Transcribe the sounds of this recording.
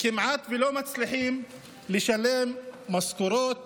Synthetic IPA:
kimʕat̪velomat͡sliħim | leʃalemːaskuɾot̪̚

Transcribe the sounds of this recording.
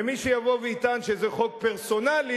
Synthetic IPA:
emiʃejavo̞veit̪anʃezeχo̞k̚peʁso̞nali

